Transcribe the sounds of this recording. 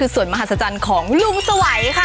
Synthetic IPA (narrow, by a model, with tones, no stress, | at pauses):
ɯː˧su˨˩ənma˧a˨˩sa˧t͡ɕa˧nkʰɔː˩˦ŋlu˧˩msa˧wa˨˩˦jkʰa˥˩